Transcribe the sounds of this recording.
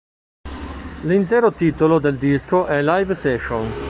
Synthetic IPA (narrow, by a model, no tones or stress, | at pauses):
lint̪ɛːɾot̪iːt̪olod̪eld̪iskoʔɛlajvsɛʃon